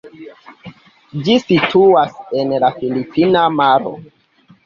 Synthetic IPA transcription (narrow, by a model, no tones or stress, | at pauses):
d͡ʒisitʰuasenlafilipinamaɾo̰